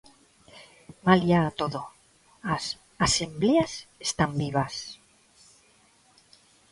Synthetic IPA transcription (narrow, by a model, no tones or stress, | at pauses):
maljaːt̪oðo | as | asembleasest̪ambiβ̞as